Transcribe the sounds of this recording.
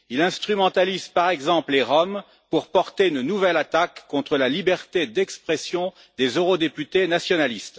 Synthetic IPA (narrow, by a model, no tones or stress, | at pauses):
ilɛ̃st̪χymɑ̃t̪alizpaʁɛɡzɑ̃plleʁɔm | puʁpɔʁt̪eynnuvɛlat̪akːɔ̃t̪χəlalibɛʁt̪ed̪ɛkspχɛsjɔ̃ | d̪ezøʁod̪epyt̪enasjɔnalist̪